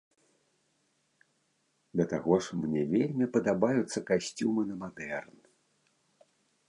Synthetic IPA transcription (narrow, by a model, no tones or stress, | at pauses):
d̪ɐt̪aɣɔʂmnʲɛvʲelʲmʲipɐd̪abajut̪sːɐkasʲt͡sʲumɨnɐmad̪ɛrn